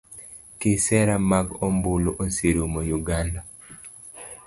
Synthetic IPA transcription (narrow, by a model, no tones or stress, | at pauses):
kesɛɾamaɡombuloʔosiɾumojuɡanda